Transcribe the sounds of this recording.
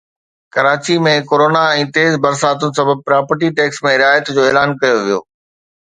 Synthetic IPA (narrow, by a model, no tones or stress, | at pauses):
kɐɾaːt͡ɕimẽkoːɾoːnaɛ̃ːt̪eːzbɐɾsaːt̪ʊnɪ̆sɐbəb̚pɾaːpəɾʈ̬iʈɛːksmẽɾɪaːjət̪d͡ʑoːeːlaːnkɐjoʋijo̰ː